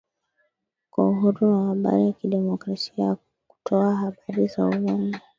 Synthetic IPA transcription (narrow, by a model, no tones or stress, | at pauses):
kwauɦuɾuwahaɓa̰ɾijakiɗɛmɔkɾasia | ku̥tʰɔaɦaɓaɾizauɛma